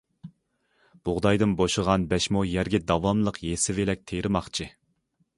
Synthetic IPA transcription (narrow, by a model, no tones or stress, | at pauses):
b̥ʊʁd̪ɑjd̪ɨnboʃəʁɑnbɛʃmujæɾɡʲɛd̪ɑwɑmlˠəqjesɪvelɛk̚ʲt̪ʰeɾɪmɑχt͡ʃʰɨ